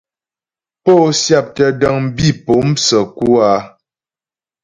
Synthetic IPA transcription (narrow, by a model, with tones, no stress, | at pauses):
po˦sja˦˨p̚tə˨də˦˨ŋ̩˦bi˦˨po˨˦msə˨ku˦a˦